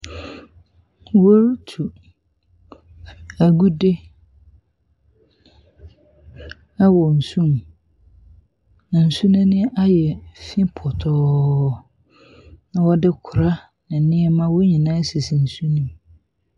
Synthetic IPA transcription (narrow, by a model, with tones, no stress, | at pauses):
wo˦ɾtʰu˨ | a˨ɡu˦de˦ | a˦wɔ˨n̩˨sũ˦m | nã˨n̩˨su˦nʊ̃˦nɪ̃˦ʔa˦jɛ˨fĩ˦pʰɔ˨tʰɔ˨ | nã˨wɔ˦dɪ˦kʰʊ˨ɾa˦ | nɪ̃˨nɪ̃˦ɛ˦mã˦wo˦ɲĩ˨nãː˦si˨si˨n̩˨su˦nĩ˨m